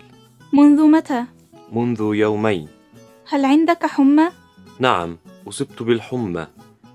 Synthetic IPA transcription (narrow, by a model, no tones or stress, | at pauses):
mʊnðʊmat̪aː | mʊnðʊjawmajn | halʕɪnd̪akħʊmːa | naʕa̰mʔʊsˤɨb̚t̪bɪlħʊmːa̰